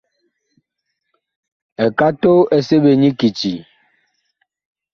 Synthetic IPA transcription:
ɛ˨ka˦to˦e˨se˦be˨ɲi˦ki˨t͡ʃi˨

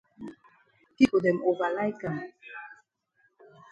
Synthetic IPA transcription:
ki˦ko˨dɛ˨mo˨va˨la˦jka˨m

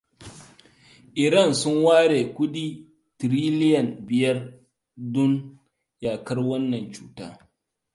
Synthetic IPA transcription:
ʔɪ˨ɾɐ˦˨nsʊ˦ŋwaː˦ɽeː˨kʷʊ˦ɗiː˦ | tɾiː˦lɪ˦jɐ˨nbɪ˨jɐ˦r | dʊ˦n | jaː˨kɐ˦rwɐ˦nːɐ˨nt͡ʃuː˦ta̰ː˦

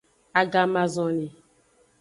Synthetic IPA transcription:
a˨ɡa˨mã˨zɔ̃˨ni˨

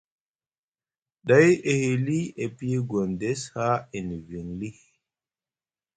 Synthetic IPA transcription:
da˨˦je˨he˨li˦e˨pi˦e˦ɡo˨nde˦sha˦e˨ni˨vi˨ŋli˦

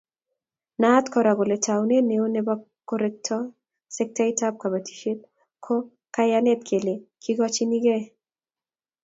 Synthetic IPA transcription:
na˦tkɔ˨ɾa˨ɡo˨lɛ˨ta˨wne˦ne˨o˦nɛ˨bɔ | kːɔɾɛk̚tʰɔ˦ | sɛ˦k̚tai˦tap̚ka˨ba˨tʰi̥˨ʃe˦t̚ | kʰɔ˦ | kajanɛ˦t̪kʰe˨le˨kʰi˦ɡɔ˦t͡ʃɪ˦ni˦ɡɛ˦

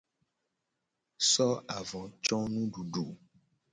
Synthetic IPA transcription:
sɔ˦a˨vɔ̃˨t͡ʃɔ̃˦nũ˦ɖu˨ɖo˨

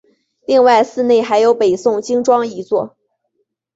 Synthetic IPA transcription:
li˥˧ŋwa˥˧ɪsɹ̩˥˧ne˥˩ɪxa˧˥ɪjo˧˥ʊpe˨˩ɪsʊ˥˩ŋt͡ɕi˥ŋʈ͡ʂwɑ˥ŋi˧˥t͡swɔ̰˥˩

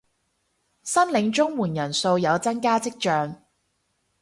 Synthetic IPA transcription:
sɐ˥nlɪ˨˧ŋt͡ʃʊ˥ŋwuː˨˩njɐ˨˩nso˧wjɐ˨˧wt͡sɐ˥nkaː˥t͡sɪ˥k̚t͡ʃœː˧ŋ

